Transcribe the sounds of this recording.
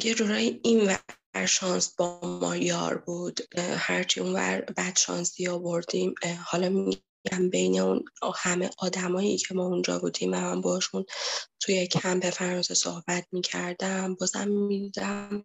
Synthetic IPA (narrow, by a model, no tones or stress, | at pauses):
ɡed͡ʒoɾɒjinvæ | ɾʃɒnsb̥ɒmɒ̰jɒ̰ːɾbuːd̪̥hæɾt͡ʃʰiunvæ̰ɾbæd̪̥ʃɒ̰ːnsiɒːbo̞ɾd̪imhɒlɒmii | æmbe̞jneunhæmḛʔɒːd̪æmɒːjicʰemɒːund͡ʒɒ̰ːbuːd̪iːmvæmæmbɒʃunt̪ʰujecʰæmbe̞fæɾɒnseso̰hbæt̪̚ʰmiːcʰæɾd̪æmbɒzæ̰mːid̪id̪æm